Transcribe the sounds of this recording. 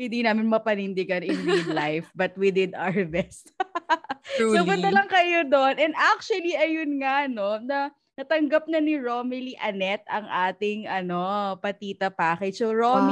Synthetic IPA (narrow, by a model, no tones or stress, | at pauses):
hɪ̃nd̪inaːmɪnmɐpɐnɪnd̪ɪɡɐnjʊnmid̪lajfbɐt̪̚wid̪ɪd̪aɹbɛst̪̚ | soʊɐlɐŋkɐjod̪onʔɛnd̪ʔak̚t͡ʃʊwɐliʔɐjʊnŋaʔno̞nɐ | nɐt̪ɐŋɡɐp̚nɐnɪɹoːmɪliʔɐnɛt̪̚ɐŋʔaːt̪ɪŋʔɐno̞pɐt̪iːt̪ɐpaːkɐjsoɹom